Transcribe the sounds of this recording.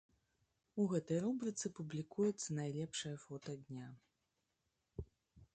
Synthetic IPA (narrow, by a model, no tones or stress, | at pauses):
uɣɛt̪ɐjrubɾɨt̪sɨpublʲikujɛt̪sːɐnajlʲɛpʂɐjɐfɔt̪ɐd̪ʲnʲa